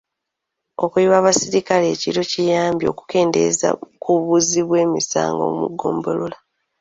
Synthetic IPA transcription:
o̞kujiβaːβasiɾikale̞ːciɾo̞cijaːmbjo̞̰ku̥ke̞ːnde̞̰za̰kuβuziβwe̞ːmisa̰ːŋɡo̞̰mṵɡːo̞̰ːmbolola

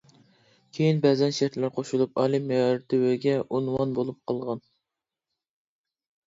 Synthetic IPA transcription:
kʲʰejinbɛzɛnʃæɾt̪læɾqʰoʃulˠupɑlˠimeɑɾt̪ʰɪwøɡʲɛʔunwɑnbolˠup̚qʰəlˠʁɑn

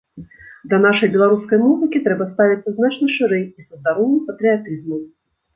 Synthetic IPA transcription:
d̪lʲɐnaʂɐjbʲɛlˠaɾuskɐjmuzɨkʲit̪ɾɛbɐst̪avʲit̪sːɐznat͡ʃnɐʂɨɾɛjisɐsd̪aɾɔnːɨpɐt̪ɾʲiat̪ɨzmɐm

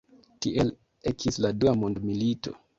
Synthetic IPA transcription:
tiʔe̞l | ekʰisladuamondmilito̞̰

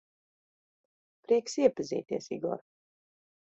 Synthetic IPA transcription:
pɾiɛksiɛpazḭːt̪iɛsḭɡɔ̰ɾ

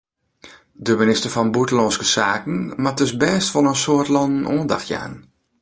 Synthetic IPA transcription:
dəminɪstərfɔnbutəlɔnskəsaːkən̩mat̚døs̬bɛːstʋɔlˠənsoətlɔnən̩oːnda̰xtja̰ːn

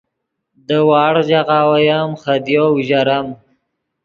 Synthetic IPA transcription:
d̪əwɑːɽʒaɣaːwajamχad̪jowʒaɾam

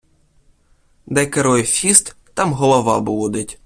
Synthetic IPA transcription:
d̪ɛkeɾɔjfʲist̪ːɑmɦɔlˠɔʋɑbud̪etʲ

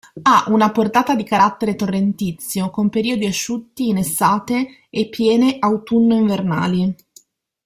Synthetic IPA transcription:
aʔunaport̪aːt̪ad̪ikaɾat̪ːeɾet̪orːent̪it̪sːjokompeɾiːod̪iaʃːut̪ːiːnesːaːt̪eː | pːjɛːneʔawt̪unːoiɱverna̰ːli

